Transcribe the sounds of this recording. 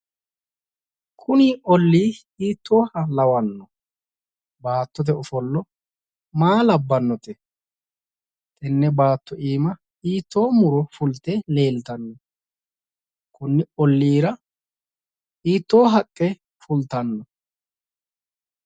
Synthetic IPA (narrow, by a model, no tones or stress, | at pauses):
kʰʊniʔɔlːiː | iːt̪ʰːo̞ːhɐlɐwɐnːɔ | baːt̪ːɔt̪̬ɛɔfɔlːɔ | maːlɐbːɐnːɔt̪ɛ | t̪ʼɛnːɛbaːt̪ːɔʔiːmɐ | iːt̪ːo̞ːmʊɾɔfʊlt̪ɛle̞ːlt̪ɐnːɔ | kʰʊnːɪɔlːiːɾɐ | iːt̪ːo̞ːɦɐkʼːɛ | fʊlt̪ɐnːɔ